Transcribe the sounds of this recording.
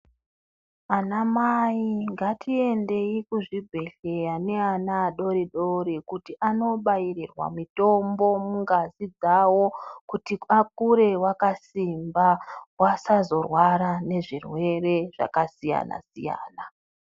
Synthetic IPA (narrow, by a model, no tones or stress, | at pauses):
anamaiŋɡatʰie̞nde̞ikuʐibʱe̞ɬejane̞anaːɗo̞ɾiɗo̞ɾikutiʔano̞ɓairirwa̰mito̞mbo̞muŋɡazid͡zawo̞kutiak̚uɾe̞wakasimbawasazo̞rwaɾane̞ʐirwe̞re̞ʐ̥a̰kasija̰na̰sḭja̰ːna